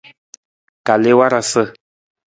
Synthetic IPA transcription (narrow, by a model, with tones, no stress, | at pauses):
ka˨le˦wa˦ɾa˧sə˦